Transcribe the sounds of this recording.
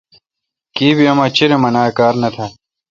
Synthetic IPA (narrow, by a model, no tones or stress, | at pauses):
kiːbiɐmaːt͡ɕiɾemɐnaːekaːɾnɐt̪ʰa